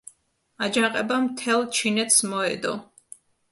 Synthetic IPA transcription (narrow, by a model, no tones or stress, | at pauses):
ad͡ʒaqʼɛbamt̪ʰɛlˠt͡ʃʰinɛt̪ʰsmɔɛ̰d̪ɔ